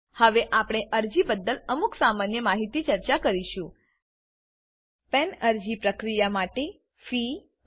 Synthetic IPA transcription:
həʋeʔapɽ̃eʔəɾd͡ʒibəd̪ːələmuksamanjəmaɦit̪it͡ʃəɾt͡ʃakəɾiʃũ | pɛnəɾd͡ʒipɾəkɾijamaʈe | fi

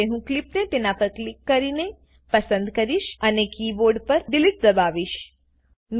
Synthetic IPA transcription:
eɦũklɪpnet̪enapəɾklɪkːəɾine | pəsə̃nd̪kəɾiʃənekiboɾɖpəɾɖ̪ɪlɪʈ̚d̪əbaʋiʃ | n

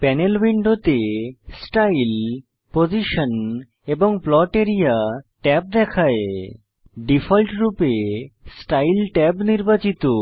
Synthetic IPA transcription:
pɛnelbiɳɖot̪esʈail | pod͡ʑiʃon | eboŋplɔʈeɾijaʈɛp̚d̪ɛkʰae | ɖifʰolʈɾupesʈajlʈɛbniɾbat͡ɕit̪o

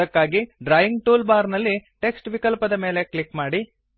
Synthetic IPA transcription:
ɐkːaːɡiɖɾaːjiŋɡʈuːlbaːɾnɐlːiʈe̞ksʈʋikɐlpɐd̪ɐmeːle̞klikmaːɽi

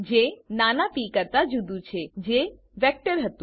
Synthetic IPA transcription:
d͡ʒenanapikəɾt̪ad͡ʒud̪ut͡ʃʰed͡ʒe | ʋɛk̚ʈəɾɦət̪ũ

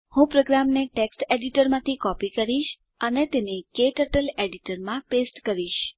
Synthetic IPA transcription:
hũpɾoɡɾamneʈeksʈeɖiʈəɾmãt̪ʰikɔpikəɾiʃ | ənet̪enekeʈəʈəleɖiʈəɾmãpesʈkəɾiʃ

